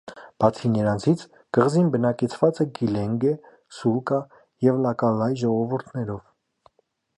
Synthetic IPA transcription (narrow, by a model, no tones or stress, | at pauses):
b̥ɑt͡sʰinəɾɑnt͡sʰit͡sʰ | ɡ̥əʁzinbənɑkɛt͡sʰvɑt͡sɛɡilɛŋɡɛ | sulkɑ | jɛvlɑkɑlɑjʒɔʁɔvuɾt̪ʰnɛɾɔv